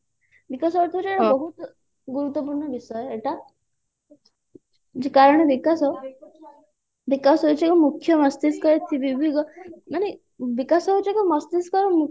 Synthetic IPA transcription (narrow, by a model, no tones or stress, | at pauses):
bikasɔɔɾt̪ʰiot͡ʃieʈaabɔɦut̪ | ɡuɾut̪ːɔp̬uɾɳɔbisɔjɔeʈa | d͡ʒekaɾɔɽ̃ebikasɔ | bikasɦet͡ʃʰiekumukʰːjɔmɔst̪iskɔɾet̪ʰibibʱiɡɔmaɽ̃e | bikasɔɦut͡ʃʰiekumɔst̪iskɔɾɔmu